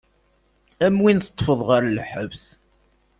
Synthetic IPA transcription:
æmwinθə̥t̪ˤːfəðˤʁəɾlħəvs

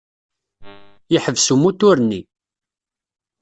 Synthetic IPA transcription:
jəħəvsumːut̪ːʊɾnːi

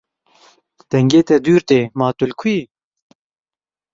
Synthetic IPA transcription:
d̪̥ɛŋɡeːt̪ɛd̪yːɾt̪eːmaːt̪ulkʰi

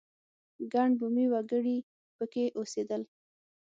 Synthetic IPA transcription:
ɡaɳbumiwaɡəɽi | pəkeʔosed̪əl

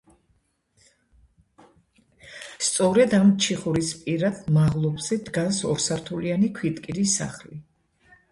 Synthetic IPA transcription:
st̪sʼɔɾɛd̪amt͡ʃʰiχuɾispʼiɾad̪maʁlˠɔbz̥ɛd̪ɡansɔɾsaɾt̪ʰulianikʰwit̪ʼkʼiɾisa̰χli

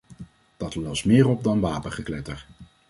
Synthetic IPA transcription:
d̥ɑtlɔsmɪːɹɔp̚dɑnʋaːpəχəklɛtəɹ

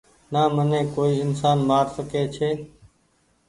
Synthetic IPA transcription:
naːmənẽːkoːiːɪnsaːnmaːɾsəkeːt͡ʃʰeː

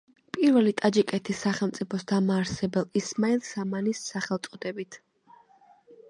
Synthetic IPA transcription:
pʼiɾvɛlit̪ʼad͡ʒikʼɛt̪ʰisːaχɛlˠmt̪sʼipʰɔsd̪amaːɾsɛbɛlismailˠsamanisːaχɛlˠt̪sʼɔd̪ɛbit̪ʰ

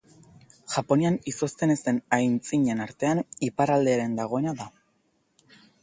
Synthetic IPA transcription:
ʝapo̞nianiso̞st̪e̞ne̞st̪e̞najnt͡siɲe̞naɾt̪e̞anipaɾald̪e̞aɾe̞nd̪aɣ̞o̞e̞naða

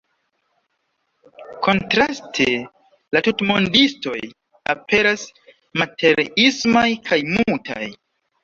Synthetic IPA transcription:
kʰo̞ntɾastʰe | latutmo̞ndisto̞̰jj | apʰe̞ɾas | matʰe̞ɾismajkʰajmultʰa̰j

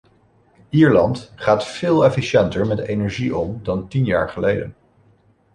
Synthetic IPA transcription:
iːɹlɑntχaːtfɪːlˠɛfiʃɛntəɹmɛtejnɛɹʒiʔɔmdɑntinja̰ːɹχəlejdə̰n

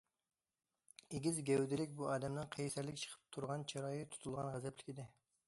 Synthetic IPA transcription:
eɡʲizɡʲɛwd̪ɪlɪkʲbuɑːd̪ɛmnɨŋqʰejsæɾlɪkʲt͡ʃʰə̥qʰə̥p̚t̪ʰuɾʁɑnt͡ʃʰɑɾɑːjit̪ʰu̥t̪ʰulˠʁɑnʁæzɛplɪkʲid̪ɪ

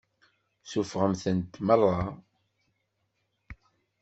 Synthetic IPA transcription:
sufʁəmθənt̪mərˤːɑ

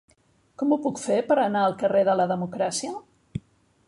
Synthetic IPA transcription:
kɔmupukfepəɾənaəlˠkəreðələðəmukɾasiə

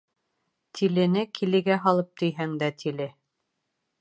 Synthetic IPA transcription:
t̪ʰilɘ̆nɘkʰilɘ̆ɡæɦɑlˠɤp̚t̪ɵ̆jɦæŋd̪æt̪ʰilɘ

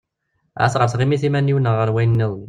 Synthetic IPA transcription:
ʕæ̰θʁəɾθʁimiθimænːiwnːəʁəɾwæjnːiðˤən

